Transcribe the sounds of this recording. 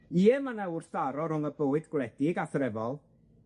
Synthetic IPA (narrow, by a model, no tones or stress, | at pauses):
iːɛmanawʊrθaɾɔɾʊŋəbowɨdɡlɛdɪɡaθɾɛvɔlˠ